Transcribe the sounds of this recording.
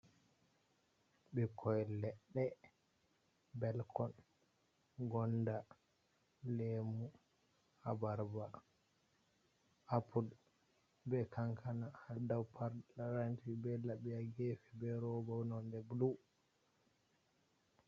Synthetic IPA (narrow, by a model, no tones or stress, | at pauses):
bɛkʰɔjlɛɗːɛ | bɛlkʰɔn | ɡɔnda | lemu | habaɾba | apʰul | bɛkʰaŋkʰanahadawpʰaɾaɾantibɛlːabɛjaɡefibɛɾɔbawnɔndɛblu